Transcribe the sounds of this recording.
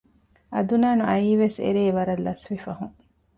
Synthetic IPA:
ɐd̪unaːnuɐiːʋesḛɾeːʋɐɾɐlːɐsʋifɐɦuŋ

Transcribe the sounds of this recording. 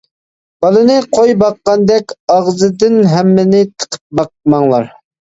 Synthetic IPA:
b̥ɑlˠɨnɨqʰojbɑqːɑnd̪ɛkʲɑʁzɨd̪ɪnɦɛmːɪnɪt̪ʰə̥qʰə̥p̚bɑq̚mɑŋlˠɑɾ

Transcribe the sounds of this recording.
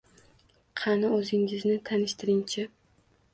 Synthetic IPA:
qʰɑnɪɵzɪŋɪznɪt̪ʰanɪʃt̪ʰɪɾɪŋt͡ʃʰɪ

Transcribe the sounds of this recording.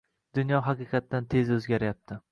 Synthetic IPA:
d̪ʊnjɒɦɑqɨqʰɑt̪ːant̪ʰe̞zɵzɡʲaɾjap̚t̪ʰɪ

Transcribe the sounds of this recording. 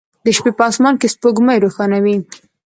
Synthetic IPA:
d̪əʃpepɑsmɑnkespoɡməjɾoxɑnawi

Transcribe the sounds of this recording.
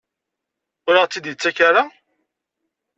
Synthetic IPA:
ʊɾəʁt͡sːid̪jət͡sːækaɾa

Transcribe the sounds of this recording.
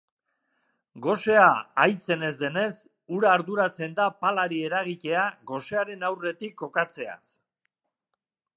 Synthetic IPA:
ɡo̞se̞aajt͡se̞ne̞zd̪e̞ne̞s | uɾaːɾðuɾat͡se̞nd̪apalaɾie̞ɾaɣ̞ice̞aɣo̞se̞aɾe̞nawre̞t̪ikːo̞kat͡se̞a̰s

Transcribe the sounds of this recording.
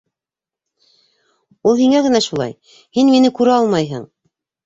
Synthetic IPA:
ulˠhiŋæɣɘ̆næʃulˠɑ̰j | hinminɘkʉɾɘɑlˠmɑjɦɤ̰ɴ

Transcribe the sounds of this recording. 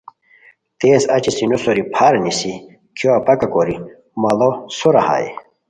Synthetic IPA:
t̪eːsɐ̰t͡ɕisinosoɾipʰaːɾɐnisi | kjoɐpɐkɐkoɾi | mɐlosoɾɐha̰ːjḭ

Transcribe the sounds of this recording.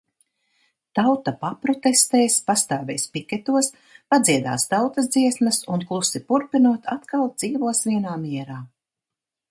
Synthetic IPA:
t̪awt̪apapɾɔt̪est̪ɛːspast̪aːvɛ̰jspikʲɛt̪uɔs | pad̪ziɛd̪a̰ːst̪awt̪ɐzd̪ziɛsmɐsunklˠusipuɾpinuɔt̪ʰat̪kalˠd̪z̥iːvuɔsvʲiɛnaːmiɛɾaː

